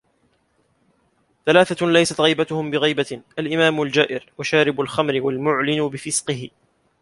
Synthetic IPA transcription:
θalaːθalajsat̪ɣijbat̪ʊhʊmbɪɣijbaʔalʔɪmaːmʊld͡ʒaːʔɪɾwaʃaːɾɪbʊlxamɾɪwalmʊʕlɪnʊbɪfɪsqɨhɪ

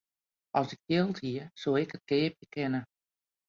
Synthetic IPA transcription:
ʔɔsɪk̚djɪlˠthiəsoːɪkət̚kɪːpjəkʰɪnə

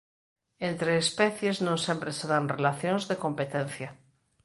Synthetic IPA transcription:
ẽnt̪ɾeːspɛθjeznõŋsẽmpɾeseðanrelaθjõnzðekõmpet̪ẽnθja

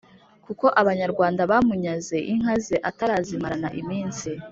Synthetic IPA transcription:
kuko̞ʔaβaɲaɾɡwaːndaβamuɲaze̞ʔiŋ̥hazeʔataɾaːzimaɾana̰ʔimiːnsi

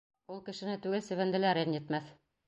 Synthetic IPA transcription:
ulˠkɘ̆ʃɘ̆nɘt̪ʉɡɘlsɘ̆βænd̪ɘ̆læɾɘnjɘ̆t̪mæθ

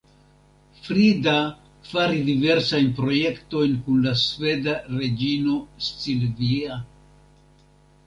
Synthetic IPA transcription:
fɾida | faɾidive̞ɾsajnpɾo̞je̞kto̞jnkunlasve̞daɾe̞d͡ʒino̞st͡silvia

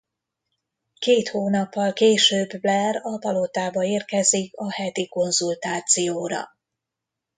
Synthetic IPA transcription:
keːt̪hoːnɒpːɒlkeːʃøːblɛrɒpɒlo̞t̪aːbɒeːrkɛzikɒhɛt̪iko̞nzult̪aːt̪sijoːɾɒ̰

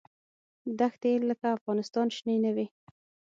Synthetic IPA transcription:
d̪axt̪elːəkaːfɣɑnɪst̪ɑnʃninawi

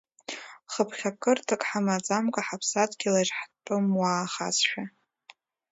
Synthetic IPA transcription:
χəpʰχʲakʰʼɨrtʰɨkʼħamat͡sʼamkʼaħapʰsatʰʼɡʲilaʒħpʼɨmwaːχa̰sʃᶣa

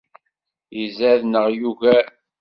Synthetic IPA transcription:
jizæðnəʁjuvæ

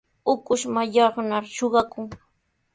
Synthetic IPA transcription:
ʊkʊʃmajɑχnaɾʃoɢɑkʊŋ

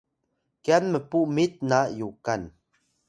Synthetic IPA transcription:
kjanməpumit̪̚najukan

